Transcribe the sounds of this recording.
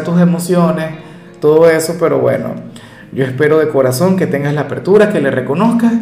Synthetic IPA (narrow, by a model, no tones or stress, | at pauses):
t̪us̬e̞mo̞sjo̞ne̞s | t̪o̞ðoe̞so̞pe̞ɾo̞̰βwe̞̰no̞̰ | ɟo̞e̞spe̞ɾo̞ðe̞ko̞ɾaso̞ŋke̞t̪e̞ŋɡaslaːpe̞ɾt̪uɾake̞le̞reko̞no̞skas